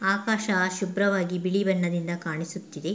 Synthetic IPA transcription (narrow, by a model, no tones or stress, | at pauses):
aːkaːʃɐʃubɾɐʋaːɡibiɭibɐɳːɐd̪ind̪ɐkaːɳisut̪ːid̪e